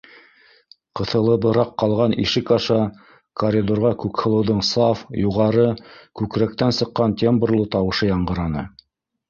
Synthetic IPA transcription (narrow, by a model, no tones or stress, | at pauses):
qɤ̆θɤ̆lˠɤ̆bɤ̆ɾɑqːɑlˠʁɑnḭʃɘkɑʃɑ | koɾʲid̪oɾʁɑkʉkhɤ̆lˠɤ̆wðɤɴsɑfjuʁɑɾɤkʉkɾæk̚t̪ænsɤ̆qːɑnt̪ʲembrlˠɤt̪ɑwɤ̆ʃɤjɑɴɢɤ̆ɾɑnɤ̰